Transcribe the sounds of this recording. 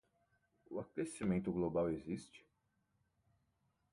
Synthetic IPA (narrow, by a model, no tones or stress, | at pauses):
ʊakesimẽnt̪ʊɡlobawezist͡ʃɪ̥